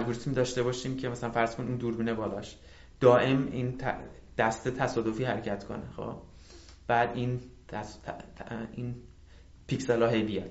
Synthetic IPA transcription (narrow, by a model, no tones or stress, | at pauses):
æd͡ʒɡuːɾismid̪ɒːʃt̪e̞bɒːʃiːmcʰe̞mæsælænfæɾz̥konuːnd̪uːɾbiːnebɒːlɒ̰ːʃ | d̪̥ɒːʔe̞mint̪ʰd̪̥æst̪et̪ʰæsɒːd̪o̞fiːɦæɾecʰæt̪ʰkʰo̰nḛxo̰ː | b̥æːd̪inʰ | in | pʰicselɒːɦe̞jbijɒ̰d̪̥